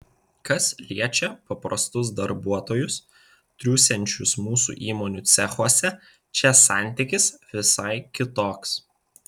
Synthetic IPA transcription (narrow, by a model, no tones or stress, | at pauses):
kɐslʲiɛt͡ʃʲɛpɐpɾɐst̪ʊs̬d̪ɐɾbuɔt̪oːjʊs | t̪ʲɾʲuːsʲɛnʲt͡ʃʲʊsmuːsṵːʔiːmoːnʲuːˑt̪sʲɛxuɔsʲɛ | t͡ʃʲɛsɑːˑnʲt̪ʲɪkʲɪsʋʲɪsɐɪkʲɪt̪oːks